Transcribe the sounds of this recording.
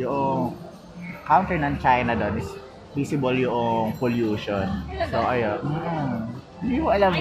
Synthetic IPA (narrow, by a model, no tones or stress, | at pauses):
jʊʔoŋ | kawnt̪ɛɹnɐŋt͡ʃajnɐd̪onɪs | bisɪbɐljʊʔoŋpoljuːʃonsoʔɐjo | hɪnd̪imoʔɐlam